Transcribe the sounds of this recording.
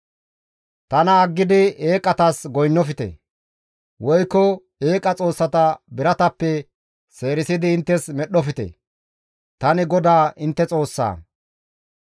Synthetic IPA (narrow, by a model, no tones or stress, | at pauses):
t̪ɐnɐːɡːɪd̪ɪeːkʼɐt̪ɐsɡɔjnːɔfɪt̪ɛ̰ | wɔjkːɔ | e̞ːkʼɐt͡sʼo̞ːsːɐt̪ɐbɪɾɐt̪ɐpːɛ | se̞ːɾɪsɪd̪ɪːnt̪ːɛsmɛɗɔfɪt̪ɛ̰ | t̪ɐnɪɡɔd̪aːʔɪnt̪ːɛt͡sʼo̞ːsːa̰ː